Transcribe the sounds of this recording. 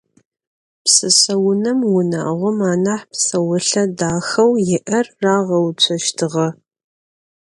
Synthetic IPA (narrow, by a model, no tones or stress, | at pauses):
psɨɕɐwʊnɐmwʊna̰ːʁʷʊmaːnaːħpsɐwʊɬɐdaːxɐwjɪʔɐrːaːʁɐwt͡ɕʷʰɐʃtʰɨʁɐ